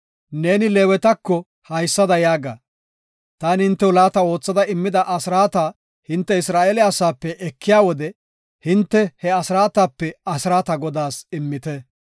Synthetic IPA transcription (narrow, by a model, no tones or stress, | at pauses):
ne̞ːnɪleːwɛt̪ɐkːɔ | hɐjsːɐd̪ɐjaːɡaː | t̪aːnhɪnt̪ːɛwlaːt̪ɐo̞ːt͡sːɐd̪ɐɪmːɪd̪ɐʔɐsɪɾaːt̪aː | hɪnt̪ːɛɪsɾaːʔeːlɛɐsaːpːɛʔɛkːɪjaːwɔd̪ɛ | hɪnt̪ːɛhɛɐsɾaːt̪aːpːɛɐsɪɾaːt̪ɐɡɔd̪aːsɪmːɪt̪ɛ